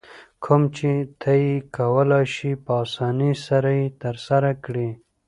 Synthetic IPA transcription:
kʰʊmt͡ʃet̪ʰajikʰawəlɑʃipəɑsɑnisaɾajet̪əɾsaɾakɽi

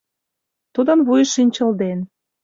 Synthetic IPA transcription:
t̪ud̪ə̆nβujʃinʲt͡ɕə̆ld̪en

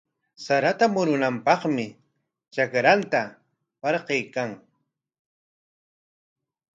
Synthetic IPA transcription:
saɾat̪amʊɾʊnampɑχmɪ | t͡ʃakɾant̪a | pɑɾqejkaŋ

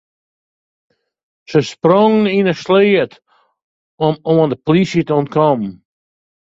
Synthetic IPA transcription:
səsprɔŋninəsleːət | ɔmoəndəplisitəɔnt̚kʰɔmn

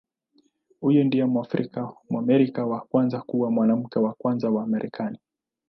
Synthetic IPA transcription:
hujɔndiɛmwafɾḭkamuamɛɾikawakwanzakuwamwanam̩kɛwakwanzawaːmɛɾʔɛkʰani

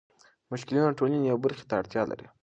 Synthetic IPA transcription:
mʊʃkɪlinoʈolinijawbəɾxe̥t̪aːɽt̪jɑlʔa̰ɾḭ

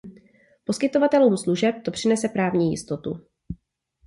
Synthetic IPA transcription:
po̞skɪt̪o̞vat̪ɛluːmsluʒɛp̚t̪o̞pr̝̥ɪnɛsɛpɾaːvɲiːjɪ̰st̪o̞t̪u

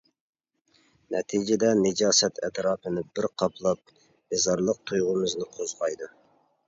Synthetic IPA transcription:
nɛt̪ʰid͡ʒɪd̪ɛnɪd͡ʒɑːsɛt̪ʰɛ̰t̪ɾɑːpʰɨnɪbɪɾqʰɑpʰlˠɑp̚ | mɪzɑɾlˠəq̚t̪ʰujʁʊmɨznɪqʰozʁɑjd̪u

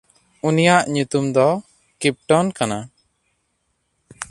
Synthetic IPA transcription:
unijaʔɲut̪umd̪ɔ | kip̚ʈɔnkana

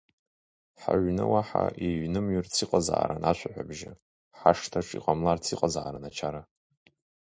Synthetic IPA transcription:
ħa̰ɥʷnɨwaħa̰ʔiɥnɨmɥʏrt͡sʰiqʼaza̰ʕa̰ɾanʔaʃʷʰaħʷᶣa̰bʒɪ | ħaʂtʰaʈ͡ʂʼḭqʼamlart͡sʰiqʼazaʕaɾanat͡ʃʰaɾa

